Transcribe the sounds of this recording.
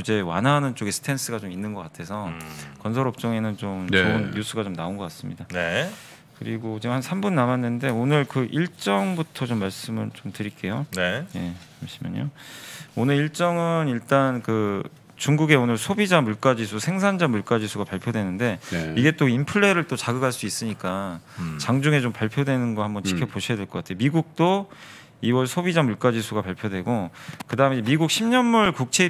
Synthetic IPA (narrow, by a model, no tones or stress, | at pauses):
ud͡ʑe̞wa̰nanɯnt͡ɕ͈oɡesʰɯ̥tʰe̞ns͈ʰɯɡat͡ɕominːɯnɡʌk͈atʰe̞sʰʌkʌnsʰʌɾʌp̚t͡ɕ͈ʌŋe̞nɯnt͡ɕomonjusʰuɡat͡ɕomnaonɡʌk͈as͈ɯmɲidane | kɯɾiɡot͡ɕimhansʰambunːamanːɯnde̞onɯɭkɯʔiɭt͡ɕ͈ʌŋbutʰʌt͡ɕomːaɭs͈ɯmɯɭt͡ɕomtɯɾik͈e̞joneje̞aɕʰimjʌ̰ɲo̰onɯɾiɭt͡ɕ͈ʌŋɯniɭt͈ankɯ | t͡ɕuŋɡuɡe̞onɯɭsʰobid͡ʑamuɭk͈ad͡ʑisʰusʰeŋsʰand͡ʑamuɭk͈ad͡ʑisʰuɡapaɭpʰjodwe̞nɯnde̞iɡe̞t͈oimpʰɯɭːe̞ɾɯɭt͈ot͡ɕaɡɯɡaɭs͈uis͈ɯɲik͈at͡ɕaŋd͡ʑuŋe̞t͡ɕompaɭpʰjodwe̞nɯnɡʌhambʌnt͡ɕʰi̥kʰjʌpoɕʰijade̞ɭk͈ʌk͈atʰejomiɡuk̚t͈o | iwʌɭsʰobid͡ʑamuɭk͈ad͡ʑisʰuɡapaɭpʰjodwe̞ɡokɯdaɯmemiɡuk̚ɕʰimɲʌnmuɭkuk̚t͡ɕʰe̞